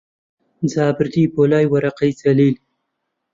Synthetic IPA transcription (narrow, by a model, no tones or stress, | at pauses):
zɑːbɪɾd̪ibolɑːjwaɾaqajt͡saliːl